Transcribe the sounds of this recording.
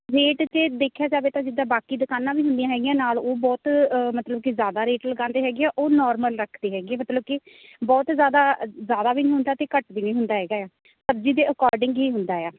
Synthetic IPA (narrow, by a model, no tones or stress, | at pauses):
ɾeːʈt͡ʃeːd̪eːkʰjaːd͡ʒaːbeːt̪ãːd͡ʒɪd̪ãːbaːkiːd̪əkaːnãːʋiːɦʊnd̪ijãːɦɛːɡɪjãːnaːloːbɔːt̪ːmət̪ləb̚kɪzjaːd̪aːɾeːʈləɡãːnd̪eːɦɛːɡeɛːʔoːnɔːɾməlɾəkʰd̪eːɦɛːɡeːmət̪ləb̚kɪ | bɔːt̪zjaːd̪aːzjaːd̪aːbiːnĩːɦʊ̃nd̪aːt̪eːkəʈbiːnĩːɦʊnd̪aːɦɛːɡaːjaː | səbziːd̪eːəkɔːɾɖɪŋɡɦiːɦʊnd̪aːjaː